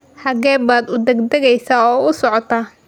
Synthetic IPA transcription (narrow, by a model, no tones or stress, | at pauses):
ħɑɡɛːbaːd̪ʊd̪ɛɡd̪ɐɣɛjsaːɔːʊsɔʕɔt̪ʰaː